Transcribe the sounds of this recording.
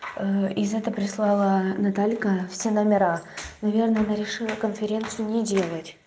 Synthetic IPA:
əɪzɛt̪əpɾʲɪslˠɑlˠənɐt̪alʲkəfsʲe̞nəmʲɪɾanɐvʲe̞rnəjɐnɐɾʲɪʂɨlˠəkənfʲɪɾʲe̞nt̪sɨjʊnʲɪdʲe̞lˠətʲ

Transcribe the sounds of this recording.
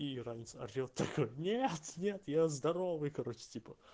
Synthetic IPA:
irazʲnɪt̪səɐ̰rʲot̪ːɐkojnʲet̪nʲe̞t̪jazd̪ɐɾo̞vɨjkɐɾo̞t͡ɕɪ̥tʲipə

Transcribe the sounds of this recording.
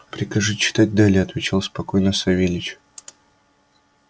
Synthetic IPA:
pɾʲɪkɐʐɨt͡ɕːɪ̥t̪at̚ʲd̪alʲɪɐt̪vʲɪt͡ɕalˠspɐko̞jnəsɐvʲelʲɪt͡ɕ

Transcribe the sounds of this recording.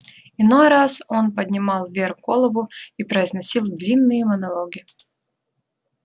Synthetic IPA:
ɪnojɾaso̞npədʲnʲɪmɑlˠvʲerkolˠəbʊipɾəɪznɐsʲilˠd̪lʲinːɨjəmənɐlˠoɡʲɪ

